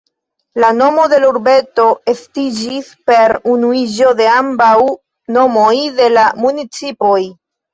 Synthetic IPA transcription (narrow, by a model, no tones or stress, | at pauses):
lano̞mo̞de̞luɾbe̞to̞estid͡ʒispe̞ɾunuid͡ʒo̞de̞ambaw | no̞mo̞jde̞lamunit͡sipo̞j